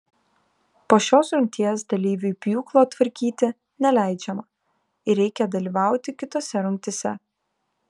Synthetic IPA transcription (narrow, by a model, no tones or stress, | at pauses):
poːʃʲoːsɾʊ̃ŋk̚ʲt̪ʲiɛs̬d̪ɐlʲiːʋʲupʲjuːklˠoːt̪ʋɐɾʲkʲiːt̪ʲɪ | nʲɛlʲæˑɪd͡ʒʲɛmɐ | ɪɾʲɛɪkʲɛd̪ɐlʲiːʋɑˑʊt̪ʲɪkʲɪt̪oːsʲɛɾʊŋʲk̚ʲt̪ʲɪsʲɛ